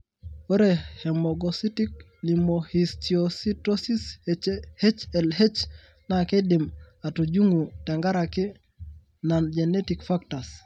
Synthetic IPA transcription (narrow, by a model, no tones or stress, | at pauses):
weɾehemoɡositik̚ | limohistiositosis | het͡ʃelhet͡ʃ | nakedimatud͡ʒuŋuteŋɡaɾaki | nand͡ʒenetikfaktas